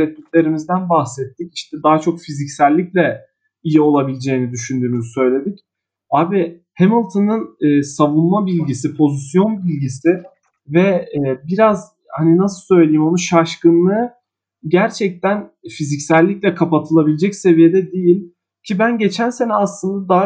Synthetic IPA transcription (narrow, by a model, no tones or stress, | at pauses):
ɛt̪̚ːyt̪ʲlʲe̞ɾimizd̪ænbahsɛt̪ʰːici̥ʃt̪ʰɛd̪aɦat͡ʃʰo̞kfizicsælʲːiclʲɛ | ijio̞lˠabilʲid͡ʒe̞jinid̪yʃynd̪yːnyzysø̞jlʲe̞d̪ic | aːbi | hemilˠt̪ʰɯnɯnɯːsavunmabilʲɟis̬ipʰo̞zisjo̞nbilʲɟisɪ | vɛbiɾaz | haninasɯsø̞jlʲejimonuʃaʃkɯnːˠɯ | ɟæɾt͡ʃʰɛc̚t̪ʰæn | fizicsælʲːiclʲɛkʰapat̪ʰɯlˠabilʲed͡ʒɛcse̞vije̞d̪ɛd̪ijilʲ | cʰibænɟe̞t͡ʃʰænse̞nɛaslˠɯnd̪ad̪aɦa